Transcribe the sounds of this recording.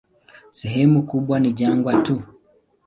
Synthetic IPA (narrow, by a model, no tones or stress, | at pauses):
sɛɦɛmukuɓwaniʄaŋɡwatu